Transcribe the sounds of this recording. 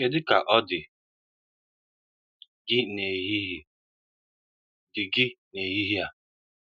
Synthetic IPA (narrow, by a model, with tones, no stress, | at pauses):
e˨dɪ˦ka˨ʔɔ˦dɪ˨ | ɡɪ˦ne˨ɦi˦ɦ | dɪ˨ɡɪ˦ne˨ɦi˦ɦi˦a˨